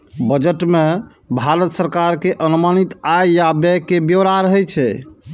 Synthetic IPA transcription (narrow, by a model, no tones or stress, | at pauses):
bəd͡ʒəʈme | bʱaɾət̪səɾkaɾkeʔənumanit̪ajjabɛkebjəʋɾaɾəɦɛt͡ʃʰɛ̰